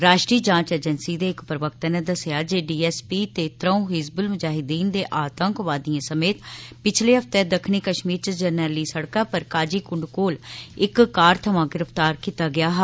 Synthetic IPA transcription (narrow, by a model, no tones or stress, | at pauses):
ɾaːʃʈɾiːd͡ʒãːt͡ʃeːd͡ʒənsiːd̪eːɪkpɾəʋək̚t̪aːnẽːd̪əsɪjaːd͡ʒeːɖiːɛːspiːt̪eːt̪ɾə̃ũːɦɪzbəlmʊd͡ʒaːɦɪd̪iːnd̪eːʔaːt̪əŋkʋaːd̪ijãːsəmeːt̪pɪt͡ʃʰleːɦəpʰt̪ɛːd̪əkʰniːkəʃmiːɾt͡ʃəd͡ʒənɛːliisəɽkaːpəɾkaːd͡ʒiːkʊɳɖkoːlɪkkːaːɾt̪ʰəʋãːɡɪɾəpʰt̪aːɾkiːt̪aːɡɪjaːɦ